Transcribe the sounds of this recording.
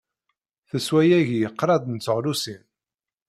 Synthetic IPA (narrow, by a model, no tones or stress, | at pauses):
θəswæjæʝjəqːɾˤɑd̪ˤnt͡sːəʁlusin